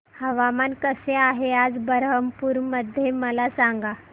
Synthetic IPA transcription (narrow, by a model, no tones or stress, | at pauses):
həʋamankəseaɦead͡zbəɾɦəmpuɾməd̪ʱjeməlasaŋɡa